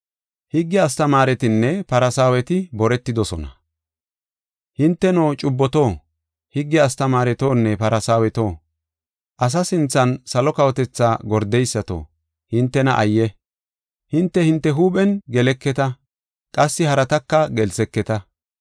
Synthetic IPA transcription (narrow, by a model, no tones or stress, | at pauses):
hɪɡːɪɐst̪ɐmaːɾɛt̪ɪnːɛpɐɾɐsaːwɛt̪ɪbɔɾɛt̪ːɪd̪ɔsɔnɐ̰ | hɪnt̪ːɛnoːt͡ʃʼʊbːɔt̪oː | hɪɡːɛɐst̪ɐmaːɾɛt̪o̞ːnːɛpɐɾɐsaːwɛt̪o̞ː | ʔɐs̬ɐsɪnt͡sːɐnsɐlɔkɐwɔt̪ɛt͡sːaːɡɔɾd̪ɛjsːɐt̪o̰ː | hɪnt̪ːɛnɐʔɐjːɛ | hɪnt̪ːɛhɪnt̪ːɛɦuːɓɛnɡɛlɛkːɛt̪ɐ | kʼɐsːɪhɐɾɐt̪ɐkːɐɡɛlsɛkːɛt̪ɐ